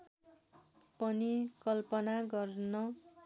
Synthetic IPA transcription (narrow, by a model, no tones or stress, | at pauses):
pʌnikʌlpʌnaɡʌrnʌ